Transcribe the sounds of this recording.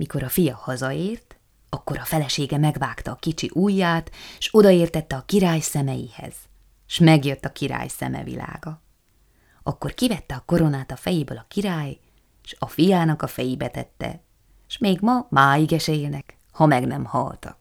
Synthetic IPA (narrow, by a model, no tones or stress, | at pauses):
miko̞ɾɒfijɒhɒzɒeːrt̪ | ɒkːo̞ɾɒfɛlɛʃeːɡɛmɛɡvaːkt̪ɒːkit͡ʃiʔuːjːaːt̪ʃo̞d̪ɒeːrt̪ɛt̪ːɛɒkiɾaːjsɛmɛjḭhɛ̰z̥ | ʃmɛɡjø̞t̪ːɒkiɾa̰ːjsɛ̰mɛ̰vḭla̰ːɡɒ | ɒkːo̞rkivɛt̪ːɛɒko̞ɾo̞naːt̪ɒfɛjibøːlɒkiɾaːj | ʃɒfijaːnɒkɒfɛjibɛt̪ɛt̪ːɛ̰ | ʃmeːɡmɒmaːiɡɛʃɛeːlnɛk | hɒmɛɡnɛmhɒ̰lt̪ɒ̰k